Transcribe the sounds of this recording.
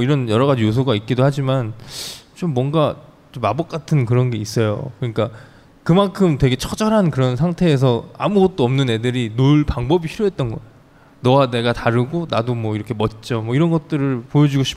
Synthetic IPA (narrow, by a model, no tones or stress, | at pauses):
ʌiɾʌnjʌɾʌɣad͡ʑijos̬ʰoɡait̚k͈idohad͡ʑimant͡ɕomːwʌŋɡa | t͡ɕomabʌk̚k͈atʰɯnkɯɾʌnɡe̞is͈ʌjo̰kɯɲik͈a | kɯmankʰɯmtwe̞ɡe̞t͡ɕʰʌd͡ʑʌɾɦankɯɾʌnsʰaŋtʰe̞ːs̬ʰʌa̰muɡʌt̚t͈oʌmnɯnedɯɾinoɭpaŋbʌbipʰiɾjoɦet̚t͈ʌnɡʌe | nʌwane̞ɡataɾɯɡonadomwʌiɾʌkʰe̞mʌt̚t͡ɕ͈ʌmwʌiɾʌnɡʌt̚t͈ɯɾɯɭpojʌd͡ʑuɡoɕʰi̥